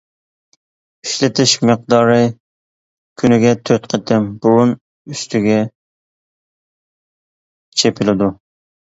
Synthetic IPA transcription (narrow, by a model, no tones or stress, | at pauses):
yʃlɪt̪ʰɪʃməq̚d̪ɑɾɨ | kʲʰynɪɡʲɛt̪ʰøt̪qʰət̪ʰɪmbuɾun | yst̪ʰyɡʲɛ | t͡ʃʰepʰɪlɪd̪u